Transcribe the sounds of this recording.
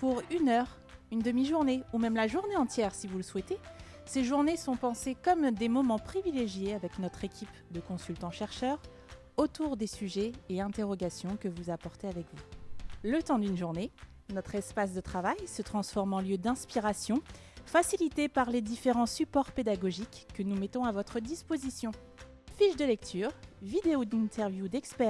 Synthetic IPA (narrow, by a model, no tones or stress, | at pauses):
puʁynœʁ | ynd̪əmiʒuʁneumɛmlaʒuʁneɑ̃t̪jɛʁsivuləswɛt̪e | seʒuʁnesɔ̃pɑ̃sekɔmd̪emɔmɑ̃pχivileʒjeavɛknɔt̪χekʲip | d̪əkɔ̃sylt̪ɑ̃ʃɛʁʃœʁ | ot̪uʁd̪esyʒɛːɛ̃t̪eʁɔɡʲasjɔ̃kəvuzapɔʁt̪eavɛkvulət̪ɑ̃d̪ynʒuʁne | nɔt̪χɛspas̬d̪ət̪χavajsət̪χɑ̃sfɔʁmɑ̃ljød̪ɛ̃spiʁasjɔ̃ | fasilit̪epaʁled̪ifeʁɑ̃sypɔʁped̪aɡɔʒikːənumet̪ɔ̃avɔt̪χəd̪ispozisjɔ̃ | fiʃd̪əlɛk̚t̪ʰyːʁvid̪eod̪ĩnt̪ʰɛʁvjud̪ɛkspɛ